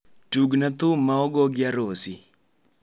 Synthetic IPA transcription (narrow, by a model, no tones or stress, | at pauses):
tuɡnat̪ʊmːaɔɡɔɡɪaɾosi